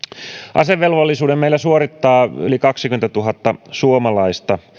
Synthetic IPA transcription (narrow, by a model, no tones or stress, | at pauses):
ʔɑ̰seʋːelʋolːisuːdemmeilæsuoɾit̪ːɑːy̰likɑksikyment̪æt̪uɦɑt̪ːɑsuomɑlɑist̪ɑ